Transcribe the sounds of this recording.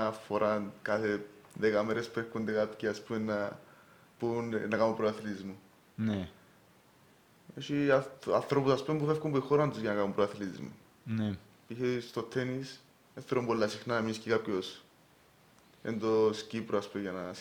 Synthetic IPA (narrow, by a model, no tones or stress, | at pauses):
foɾʔankaθeðekɐmeɾespuefkund̪ekapciaspumenːa | punnːɐkamupɾoaθilizmu | ne | eʃiɐ̰nθɾopusɐspumepufefkumbuixoɾɐnd̪uzʝɐnɐkamumpɾoaθilizmṵ | ne | içest̪o̞t̪ʰːenis | eθeɾombolːɐsixnaneminiscikapços | ḛnd̪o̞scipɾoaspumeʝɐnɐ